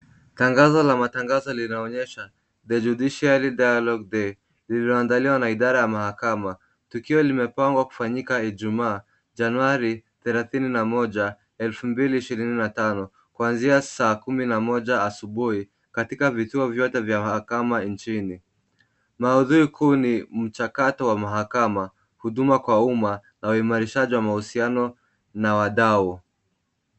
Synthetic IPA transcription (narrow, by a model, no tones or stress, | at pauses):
taŋɡazɔlamataŋɡazɔlinaɔɲɛʃa | ðɛd͡ʒuɗiʃialidajalɔɡ̚dɛ | lilɔandaliwanaiɗaɾajamahakama | tukiɔlimɛpaŋɡwaku̥faɲikaiʄumaː | ʄanuaɾiθɛlaθininamɔʄa | ɛlfumbiliːʃiɾininatanɔ | kwanziasaːkuminamɔʄaːsuɓuhi | katikavituɔvjɔtɛvjamahakamant͡ʃini | mauðuɾikʰuːnim̩t͡ʃakatɔwamaɦakama | huɗumakwaumanauimaɾiʃaʄiwamahusianɔ | nawaɗau